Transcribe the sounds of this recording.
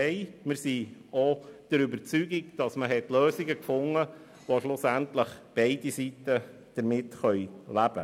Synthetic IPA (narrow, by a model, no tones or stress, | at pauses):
ɛɪmɪɾsiod̥əɾybəɾt͡syɡiɡd̥ɑsməɦɛtløːsiɡəkfʊŋːə | ʋoʃlʊsæntləχb̥eɪdisitə | d̥əɾmɪtχœʏlæb̥ə̰